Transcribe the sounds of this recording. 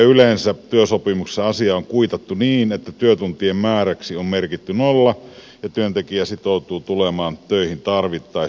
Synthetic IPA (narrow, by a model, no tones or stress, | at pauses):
ylensæt̪yøsopimukseɑsiɑoŋkuit̪ɑt̪ːuniːnet̪ːæt̪yøt̪unt̪iemmæːræksiommerkit̪ːynolːɑ | jɑt̪yønt̪ekiæsit̪oˑut̪uːt̪ulemɑːnt̪øˑihint̪ɑrʋit̪ːɑi